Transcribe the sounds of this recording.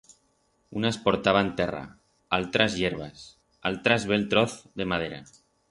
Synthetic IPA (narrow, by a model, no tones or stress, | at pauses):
unaspoɾt̪aβ̞ant̪era̰ | alt̪ɾazjeɾβ̞as | a̰lt̪ɾazβelt̪ɾoθðemað̞eɾa̰